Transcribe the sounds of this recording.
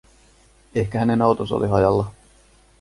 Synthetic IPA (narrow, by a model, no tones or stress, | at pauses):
ehkæhænenowt̪oso̰liɦɑjɑlːɑ